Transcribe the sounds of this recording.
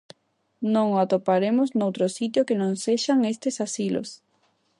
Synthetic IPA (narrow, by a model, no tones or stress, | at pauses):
nõŋat̪opaɾemʊznowt̪ɾosit̪̬jokenõŋseʃaŋest̪esasilo̰s